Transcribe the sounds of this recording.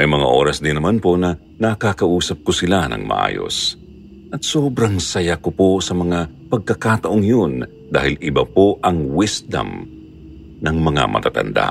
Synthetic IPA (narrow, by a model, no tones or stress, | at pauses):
mɐjmɐŋa̰ʔo̞̰ːɾɐsd̪ɪnːɐmanpo̞nɐ | nɐkakɐʔuːsɐp̚kosɪlanɐ̰ŋmɐ̰ʔa̰ːjo̞̰s | ʔɐt̪̚soːbɾɐŋsɐjakoposɐmɐŋa | pɐɡ̚kɐkaːt̪ɐʔoŋjon | d̪a̰ːhɪlɪbapo̞ʔɐŋwɪsd̪ɐ̰m | nɐŋmɐŋa̰mʔɐ̰t̪a̰t̪ɐ̰nd̪a̰